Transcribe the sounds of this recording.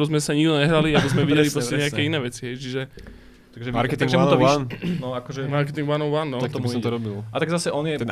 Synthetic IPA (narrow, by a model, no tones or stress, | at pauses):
bɔzmɛsaɲiɡd̪ɔɲɛɦɾaliabizmɛʋiɟɛlispɾɔɛɲɛakɛinɛːʋɛt͡siɦɛjt͡ʃiʒɛ | t̪aɡʒɛmaɾkɛt̪iŋɡaunt̪ɔiannɔakɔʒɛmaɾkɛt̪iŋɡʋanɔʊʋanːɔat̪ɔimbsɔ̃mt̪ɔɾɔbilat̪aɡzasɛʔɔnjɛt̪